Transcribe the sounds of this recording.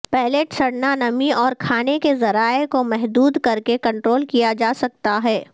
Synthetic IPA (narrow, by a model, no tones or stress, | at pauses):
pɛːleʈsɐɽnanɐmiɔːɾkʰaːnekezɐɾaːekomɛɦd̪uːd̪kɐɾkekɐ̃ɳʈɾoːlkijad͡ʒaːsɐk̚t̪aɦɛː